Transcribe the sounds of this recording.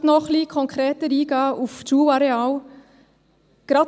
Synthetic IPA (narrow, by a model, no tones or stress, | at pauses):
tnɔχliːkʰɔŋkʰɾɛːtəɾiːɡ̥ɑːuft͡ʃuːwɑɾeɑːl | ɡ̥ɾɑ